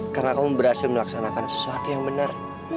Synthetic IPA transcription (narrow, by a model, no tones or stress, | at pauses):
karənakamubəɾɦasɪlməlaksanakansə̥suat̪ujaŋbənar